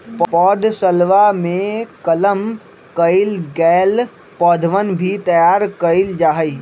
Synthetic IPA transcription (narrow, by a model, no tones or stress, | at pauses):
ppɔːd̪səlʋamẽkələm | kəɪlɡɛːl | pɔːd̪ʱʋənbʱit̪ɐjaːɾkəɪld͡ʒaːɦəi